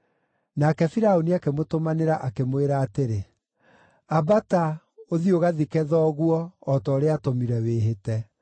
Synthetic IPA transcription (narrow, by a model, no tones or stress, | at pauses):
nakɛfiɾaoniakemotomaneɾaʔakemweɾaːteɾe | abata | oðioɣaðikɛðɔɣwɔːtɔːɾeatɔmiɾɛweɦetɛ